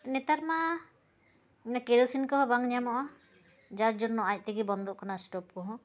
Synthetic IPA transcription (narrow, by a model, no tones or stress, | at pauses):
nɛt̪aɾma | ɲakeɾowsinkɔɦɔ̃baŋɲamɔʔɔ | d͡ʒad͡ʒɔnːɔʔac̚ˀt̪ɛɡibɔnd̪ɔʔkanasʈɔp̚kɔɦɔ̃